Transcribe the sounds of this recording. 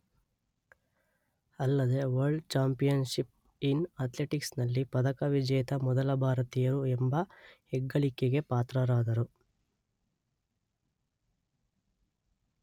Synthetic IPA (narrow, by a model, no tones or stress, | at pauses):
ɐlːɐd̪eʋɐɾɖt͡ʃaːmpijɐnʃip | inɐt̪leʈiksnɐlːipɐd̪ɐkɐʋid͡ʒɐjɐt̪ɐmɔd̪ɐlɐbʱaːɾɐt̪ijɐɾuembɐhɛɡːɐɭikeɡe̞paːt̪ɾɐɾaːd̪ɐɾu